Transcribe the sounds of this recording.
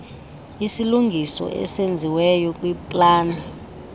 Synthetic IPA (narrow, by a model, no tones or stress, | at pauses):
isiluŋɡʱisɔ̰ʔɛ̰send͡zʱiwɛjɔkʼwipʼlaːna